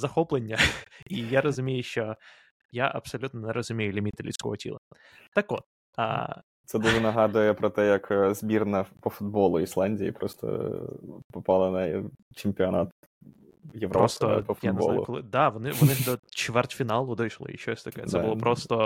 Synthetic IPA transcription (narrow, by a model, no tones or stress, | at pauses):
zɐxoplˠənʲːəijaɾəzʊmʲejʊjɪɕːo | jaʔɐ̰psɐlʲut̪nənɛɾʔəzʊmʲejʊlʲɪmʲit̪ɪlʲisʲko̰ʋətʲḭlˠə̰ | t̪ɐkʋot̪̚ | a̰ | t̪sɛd̪uʐɛnɐɦɑd̪ʊjɛpɾɔt̪ɛjɐkzbʲirnɐpɔfʊd̪̚bolˠʊislˠanʲdʲijḭpɾɔst̪ɔ̰ | pɔpɑlˠɐnɐt͡ʃɪmʲpʲɪɐnat̪ | jɪʋɾpɾost̪əpɔjanla̰klˠɪd̪avɔnɪʋɔnɪd̪ot͡ɕvʲɛrt̪ʲfʲɪnalˠʊd̪ojʂlˠə̰jɪ̰ɕːojsʲt̪ɐkaj̰t̪sɛbʊlˠopɾost̪ə